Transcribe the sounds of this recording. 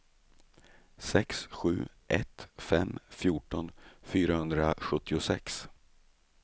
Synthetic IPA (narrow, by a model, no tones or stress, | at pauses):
sɛksɧʉ̟̰ːʔɛt̪fɛmːfjuːʈɔnfyːɾahɵnd̪ɾaɧɵt̪ʰːɪʊsɛ̰ks